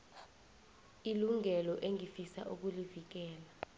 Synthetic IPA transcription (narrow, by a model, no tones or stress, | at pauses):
iluŋɛlɔʔeŋifisa̰ʔuk̬ulivik̬ɛːla